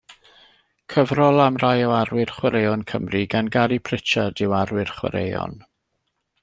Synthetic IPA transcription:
kʰəvrɔlˠamrajɔarwɪrχwɛɾejɔnkʰəmriɡanɡaɾipʰr̥ɪt͡ʃʰadɪwarwɪrχwɛ̰ɾḛjɔ̰n

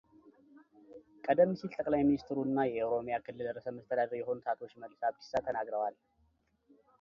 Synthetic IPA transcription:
kʼəd̪əmːɨsilt̪ʼəkʼlajminist̪ʰɾunːajɛowɾo̞mjakʰɨlːɨld̪əɾːəsəməst̪ʰəd̪ad̪əɾjɛɦo̞nt̪ʰat̪ʰo̞t͡ʃːməlːsaβkʰɨ̥sat̪ʰənaɡɾəwal

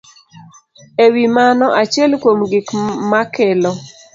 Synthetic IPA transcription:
ewimanɔʔat͡ʃɛlkwomɡɪkmakɛlɔ

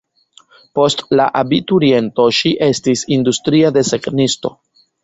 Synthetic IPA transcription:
po̞stlaʔabituɾie̞nto̞ʃiʔe̞stisindustɾiade̞seknisto̞

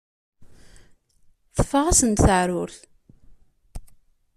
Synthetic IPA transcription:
θə̥fːəʁasənt̪θəʕɾʊɾθ

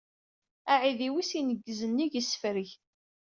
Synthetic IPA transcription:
aʕiðiwisinəɡːəzənːiʝəsːə̥fɾəç

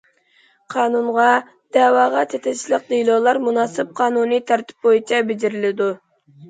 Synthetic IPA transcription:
qʰɑːnunʁɑ | d̪̥ɛːwɑːʁɑt͡ʃ̪ʰɛt̪ʰɪt͡ʃlˠəq̚d̪ilˠolˠɑɾmunɑːsɪp̚qʰɑːnunit̪ʰɑɾt̪ʰɪ̥p̚bojit͡ʃʰɑbɪd͡ʒɪɾɪlɪd̪u

